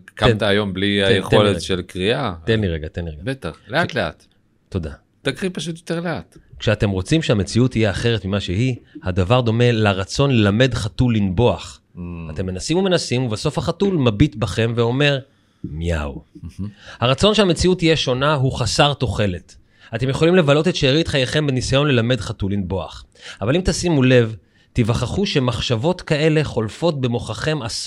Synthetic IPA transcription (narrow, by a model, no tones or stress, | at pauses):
kat̪aːjo̞mbliajeχo̞letʃelkʁiat̪enliʁeɡat̪enliʁeɡabet̪aχlet̪lea̰t̪ | to̞da̰ | t̪akʁipaʃutjot̪eʁleatkʃeate̞mʁo̞t͡simʃehame̞t͡siuthijeaχe̞ʁetmimaʃeɦihad̪avaʁd̪o̞me̞laʁat͡so̞nlelame̞dχatulːinbo̞aχ | at̪e̞mːe̞nasimume̞nasimubaso̞fhaχatulmabit̪baχe̞mveo̞me̞ʁ | mija̰w | haʁat͡so̞nʃeame̞t͡siutijeʃo̞naɦuχasaʁto̞χe̞le̞t | ate̞mjeχo̞limle̞valo̞tetʃeeʁitχajeχe̞mbenisajo̞nlelame̞dχatulːinbo̞a̰χavalimtasimule̞v | tivaχaχuʃe̞maχʃavo̞tkae̞le̞χo̞lfo̞t̚be̞mo̞χaχe̞mas